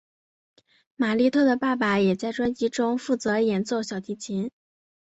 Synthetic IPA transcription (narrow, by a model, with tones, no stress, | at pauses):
ma˨˩li˥˧t̪ʰɤ˥˩d̪ə˩pa˥˩pa˧˩jɛ˨˩t͡sa˥˩ɪʈ͡ʂwa˥nt͡ɕi˥ʈ͡ʂʊ˥ŋfu˥˩t͡sɤ˧˥jɛ˧˥nt͡swɔ˥˩ʊɕjɑ˨˩ʊt̪ʰi˧˥t͡ɕʰi˧˥n